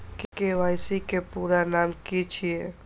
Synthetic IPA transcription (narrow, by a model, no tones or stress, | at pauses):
kekeʋajsikepuɾanamkit͡ʃʰije